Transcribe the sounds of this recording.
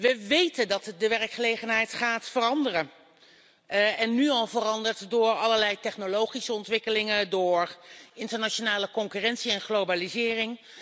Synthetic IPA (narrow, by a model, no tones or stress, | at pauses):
ʋəʋejtəndɑtdəʋɛrkχəlejχənɦɛjtχaːtfərɑndərə | ɛnːyɑlˠvərɑndəɹtdʊːɹɑləɹlɛjtɛχnolowχisəɔntʋɪkəlɪŋədʊːɹɪntəɹnaʃonaːləkɔŋkyːrɛntsiɛnχlowbalizɪːrɪŋ